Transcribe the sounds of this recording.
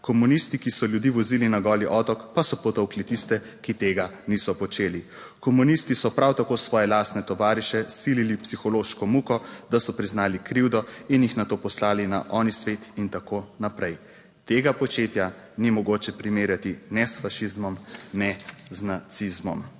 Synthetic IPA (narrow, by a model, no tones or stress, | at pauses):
kɔmunist̪ikisɔljud̪iʋɔziːlinaɡɔːliʔɔːt̪ɔkpasɔpɔt̪owklit̪ist̪ɛ | kit̪eːɡanisɔpɔt͡ʃeːli | kɔmunist̪isɔpɾawt̪akoːsʋɔːjɛlast̪nɛt̪ɔʋaːɾiʃɛsililipsixɔloːʃkɔmukɔd̪asɔpɾiznaːlikɾiwd̪ɔinjixnat̪oːpɔslaːlina̰ʔɔnisʋet̪int̪akoːnapɾɛj | t̪eːɡapɔt͡ʃeːt̪ja | nimɔɡoːt͡ʃɛpɾimeːɾjat̪inɛsfaʃizmɔmnɛznat̪sizmɔm